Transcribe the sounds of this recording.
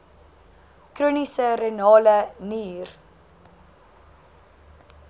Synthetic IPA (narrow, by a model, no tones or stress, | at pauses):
kruːnisəɾenɑːləniːr